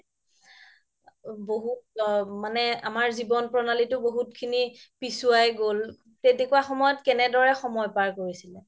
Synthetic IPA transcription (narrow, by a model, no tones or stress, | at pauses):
boɦutmanɛamaɹzibɔnpɹɔnalitʊboɦutkʰinipisuajɡol | tetekuaxɔmɔjɔtkɛnɛdɔɹɛxɔmɔjpaɹkoɹisilɛ